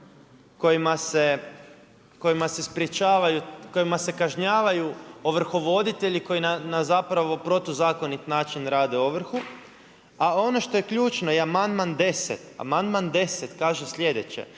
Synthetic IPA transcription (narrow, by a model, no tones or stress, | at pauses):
ko̞jimase | ko̞jimase̞spɾet͡ʃaːʋajuko̞jimase̞kaʒɲaːʋajuoʋr̩xo̞ʋo̞d̪it̪e̞ʎiko̞jinanazapɾaʋo̞pɾo̞t̪ozaːko̞nit̪naːt͡ʃinɾaːd̪eoʋr̩xu | ao̞no̞ʃt̪o̞je̞kʎuːt͡ʃnojeamand̪mand̪e̞sḛt̪a̰mand̪mand̪e̞set̪kaːʒesʎʲe̞d̪et͡ɕḛ